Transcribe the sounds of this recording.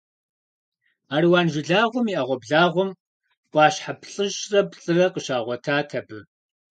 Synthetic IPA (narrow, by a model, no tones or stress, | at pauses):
aːriwaːnʒɪɮaːʁʷʊmiːʔɐʁʷɔbɮaːʁʷʊm | kʷʼɑːɕħapʰɬʼɨʒrɐpɬʼɨrɐqəʃaːʁʷɔtʰaːtʰɐbɨ